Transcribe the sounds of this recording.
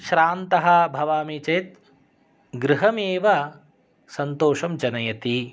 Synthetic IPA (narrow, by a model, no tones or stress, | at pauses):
ʃɾaːnt̪ɐɦɐ̆bʱɐʋaːmit͡ʃɐjt̪̚ | ɡɾɪɦɐmeːʋɐ | sɐnt̪oːʃɐmd͡ʒɐnɐjɐt̪i